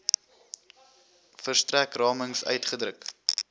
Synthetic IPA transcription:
fərstrækrɑːməŋsœ̰ɥtχədrək

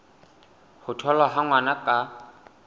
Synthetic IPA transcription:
hʊtʰɔlwaɦaŋwanakʼa

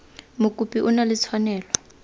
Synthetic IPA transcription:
mukʼupʼiʔunalɪt͡sʰwanɛːlɔ

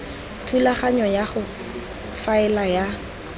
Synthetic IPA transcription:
tʰulaχaɲɔjaχʊ | faɪlaja

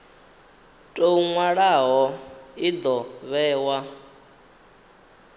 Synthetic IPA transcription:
tʼouŋwaɺaɦɔid̪ɔβɛːwa

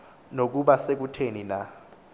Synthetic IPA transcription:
nok̬uɓasek̬utʰenina

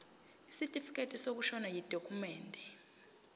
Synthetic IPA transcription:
isitʼifi̥kʼetʼisok̬uʃɔnajid̥ʱokʼʰumɛːndʱɛ

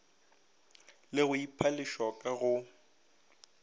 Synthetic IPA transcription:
lɪɣʊipʰalɪʃɔkʼaɣʊ

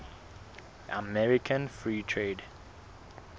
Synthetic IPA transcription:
ʔamɛɹikʰãnfɹiːtʰɹeːd

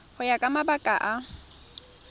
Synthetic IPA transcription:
hʊjakʼamabakʼaʔa

